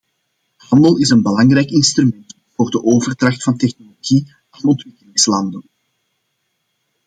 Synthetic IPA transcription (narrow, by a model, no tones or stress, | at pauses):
hɑndəlˠɪsənbəlɑŋrɛjkɪnst̪ɾymɛnt | voːrdəʔoːvərtrɑxtfɑntɛxnoloɣi | anɔntʋɪkəlɪŋslɑndən